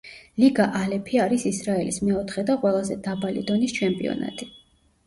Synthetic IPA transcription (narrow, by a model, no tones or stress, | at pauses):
liɡaʔalɛpʰiaɾisisɾaɛlḭsmɛɔt̪ʰχɛd̪aqʼwɛlˠazɛ̰d̪abalḭd̪ɔnist͡ʃʰɛmpʼḭɔ̰na̰t̪ʼi